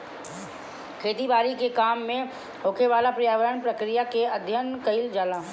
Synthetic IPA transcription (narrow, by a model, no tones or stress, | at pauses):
kʰeːt̪ibaːɾikekaːmːẽ | ɦoːkeʋaːlapɾijaːʋəɾəɳpɾəkɾijakeɐd̪ʱjənkəɪld͡ʒaːlaː